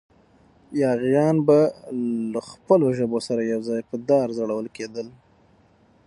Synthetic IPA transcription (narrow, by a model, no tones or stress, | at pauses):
jɑɣjɑnbalaxpəloʒəbosaɾajawzɑjpəd̪ɑɾzaɽawəlked̪əl